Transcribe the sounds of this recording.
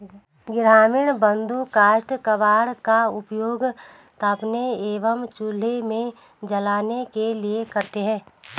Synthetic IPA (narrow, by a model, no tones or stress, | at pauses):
ɡɪɾaːmɪɳ̃bə̃nd̪ukaːʃʈkəʋaːɽkaʊpjoːɡ | t̪əpneeːʋəmt͡ʃʊlemẽ | d͡ʒɐlaːnekeliekɐɾt̪eɦɛ̃ː